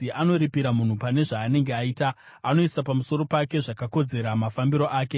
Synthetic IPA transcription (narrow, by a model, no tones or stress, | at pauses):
iʔano̞ɾipiɾamun̤upane̞ʐaːne̞ŋɡeaiːtaː | no̞isapamuso̞ɾo̞pake̞ʐakako̞d͡ze̞ɾamafambiɾo̞ʔaːke